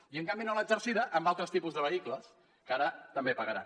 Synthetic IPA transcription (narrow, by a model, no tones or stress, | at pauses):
iəŋkambinoləzəɾsiðəʔəmbalˠt̪ɾəst̪ipuzðəβ̞əikləs | kaɾət̪əmbepəɣəɾa̰n